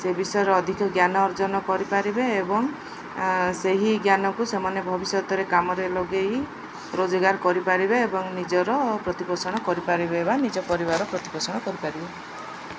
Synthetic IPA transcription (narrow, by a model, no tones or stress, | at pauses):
sebisɔjɔɾɔːd̪ʱikʰɔɡjanɔːɾd͡ʒɔnɔkɔɾipaɾibeːbɔŋ | seɦiɡjanɔkusemanebʱɔbisɔt̪ɔɾekamɔɾelɔɡei | ɾod͡ʒɔɡaɾkɔɾipaɾibeebɔŋnid͡ʒɔɾɔpɾɔt̪ipɔsɔɽ̃ɔkɔɾipaɾibeebanid͡ʒɔpɔɾibaɾɔpɾɔt̪ipɔsɔɽ̃ɔkɔɾipaɾibe